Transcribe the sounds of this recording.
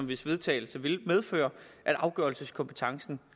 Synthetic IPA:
ɒmʋe̝sʋe̝ð̞ˠt͡sʰɛ̰ːl̩səʋe̝lmeð̞ˠfø̰ːɐ | ʔæd̥ʔɑ̈ʊɡ̥ɶɐlsəskʰɒ̽mpʰət͡sʰɑ̈ŋsn̩

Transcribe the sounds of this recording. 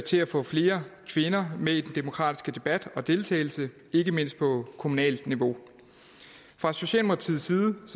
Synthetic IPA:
t͡sʰe̝æfɔ̰̽ːfle̝ːɐkʰʋe̝nɐmeid̥end̥e̝mo̝kʰʁɑ̰̈ːd̥i̥sɡ̥əd̥e̝b̥æd̥ɒ̽d̥e̝lt͡sʰɛ̰ɪl̩sə | e̝ɡ̥əme̝n̰sd̥̚pʰɒ̽kʰo̝munɛ̰ːld̥niʋo̝ | fʁɑ̈so̝ɕɛ̰ːlmʰɑlt͡sʰið̰ˠsiːðˠəs

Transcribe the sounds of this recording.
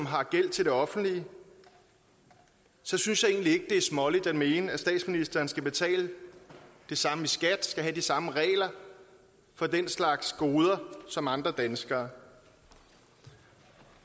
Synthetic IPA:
mɦɑ̈ɡ̥el̰t͡sʰe̝ld̥e̝ɒ̽fn̩d̥li | sɒ̽synsjɑ̈ɪe̝ːnlie̝ɡ̥əd̥e̝æɐsmɒ̽lid̥æd̥me̝ːnəæsd̥ɛ̰ːd̥sminisd̥ɐːnsɡ̥æb̥e̝t͡sʰɛ̰ːlə | d̥e̝sɑ̈məisɡ̥æd̥sɡ̥æɦæd̥isɑ̈məʁɛ̰ːlɐ | fɒ̽den̰slɑ̈ɡ̥sɡ̥o̝ːð̞ˠɐsɒ̽mɑ̈nd̥ʁɐd̥ænsɡ̥ɐː

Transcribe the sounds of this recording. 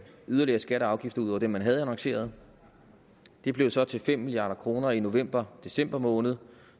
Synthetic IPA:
yðˠɐliɐːsɡ̥æɾəɑ̈ʊɡ̥ifd̥ɐuð̰ˠɒʊ̰d̥emːænɦæð̞̩ˠænɑ̈ŋse̝̰ːɐð̞̩ˠ | d̥e̝b̥le̝ʊsɒ̽t͡sʰe̝lfem̰milijɑ̈ːɾ̥ɐkʰʁo̝ːnɐino̝ʋem̰b̥ɐd̥e̝sem̰b̥ɐmɔ̽ːnəð̩ˠ

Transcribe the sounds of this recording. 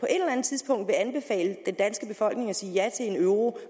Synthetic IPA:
pʰɒ̽ʔe̝d̥lɐlænð̩ˠt͡sʰiðˠsb̥ɔ̽ŋ̰d̥ʋe̝ænb̥e̝fɛ̰ːləd̥end̥ænsɡ̥əb̥e̝fɒ̽l̰ɡ̥ne̝ŋɒ̽siːjæt͡sʰe̝le̝nøʊʁo̝

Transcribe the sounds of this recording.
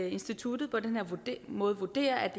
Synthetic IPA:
e̝nsd̥it͡sʰud̥ð̩ˠpʰɒ̽d̥enhe̝ɐ̰mɔ̽ːð̞̩ˠʋud̥e̝̰ːɐʔæd̥

